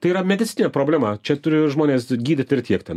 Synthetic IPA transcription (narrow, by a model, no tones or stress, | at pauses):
t̪ɐɪiːɾɐmʲɛd̪ʲɪtt͡sʲɪnʲeːpɾoːbʲlʲæːmɐt͡ʃʲɛt̪ʊɾʲɪʒmoːnʲeːsɡʲiːd̪ʲɪt̪ʲɪɾt̪ʲiɛkt̪ʲɛn